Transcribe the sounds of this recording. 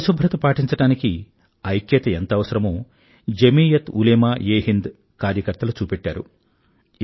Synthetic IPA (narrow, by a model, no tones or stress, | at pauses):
subʱɾɐt̪upaːʈiɲt͡ʃɐʈaːniki | ɐjkjɐt̪ɐent̪ɐʋɐsɐɾɐmoː | d͡ʒemiːjɐt̪uleːmaːjeːɦind̪ | kaːɾjɐkɐɾt̪ɐlut͡ʃuːpeʈːaːɾṵ